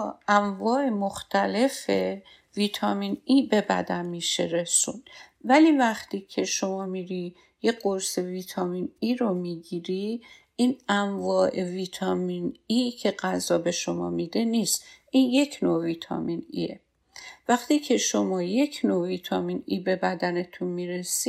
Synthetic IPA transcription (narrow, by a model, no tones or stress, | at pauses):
æɱvɒːemoxt̪ʰæle̞fe | viːt̪ʰɒminiːbe̞bæ̰d̪ænmiːʃeɾe̞sunvæliːvæxt̪ʰiːcʰe̞ʃo̞mɒːmiɾi | je̞ɢoɾse̞viːt̪ʰɒːminiːɾomiːɟiːɾi | iːnæɱvɒːʔe̞viːt̪ʰɒminicʰe̞ɢæzɒːbe̞ʃo̞mɒ̰ːmid̪e̞niːst̪ʔiːnje̞cʰnoviːt̪ʰɒ̰minḭḛ | væxt̪ʰiːcʰe̞ʃo̞mɒːje̞cʰnoviːt̪ʰɒːminibe̞bæd̪æne̞t̪ʰunmiːɾesi